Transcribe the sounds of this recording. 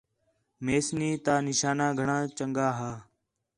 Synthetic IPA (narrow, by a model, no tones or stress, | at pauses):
meːsniːt̪aːnɪʃaːnãːɡʱəɳãːt͡ʃəŋɡaːɦaː